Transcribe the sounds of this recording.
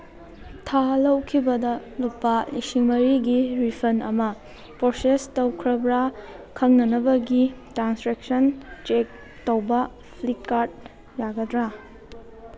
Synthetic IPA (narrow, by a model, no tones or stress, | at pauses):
tʰalɐwkʰibɐdɐlupːɐlisiŋmɐɾiɡiɾipʰɐnɐ̰mɐ | poɾsestɐwkʰɾɐbɾakʰɐŋnɐnɐbɐɡitɾansɾek̚sɐnt͡ʃek̚ | towbɐ | pʰlit̚kaɾd̚ | jaɡɐdɾa